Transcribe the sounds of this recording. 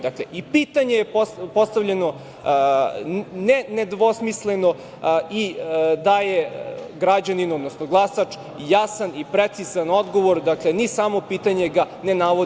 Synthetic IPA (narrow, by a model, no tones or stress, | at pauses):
d̪akleʔipiːt̪aɲe̞jepopost̪avʎeno̞ | nened̪ʋo̞smisleno̞ | id̪ajeɡɾad͡ʑaninuod̪nosnoɡlˠasat͡ʂ | ijasanipɾet̪sizano̞d̪ɡoʋo̞ɾd̪aklenisamo̞piːt̪aɲe̞ɡa | nenaːʋo